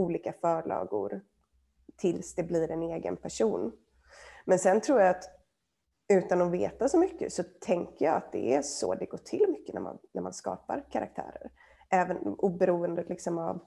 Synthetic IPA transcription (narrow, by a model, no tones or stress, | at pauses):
uːliːkafœːɭɑ̰ːɡʊ̰ɾ | t̪ʰɪlsd̪ɛbliːɾɛneːɡə̰npʰæʂuːn | mɛnsɛnt̪ʰɾuːɾjaat̪ | ʉ̟ːt̪anɔveːt̪asɔmʏkːə̰sɔt̪ʰɛŋkəjɑ̰at̪̚d̪ɛ̰æʂɔ̰d̪ɛɡoːʈʰɪlːmʏkːənæ̰ma̰nnæɾmanskɑ̰ːpa̰ɾkʰaɾa̰k̚t̪ʰæ̰ːɾəɾ | ʔɛːvənuːbɛɾuːənd̪əlɪksɔmav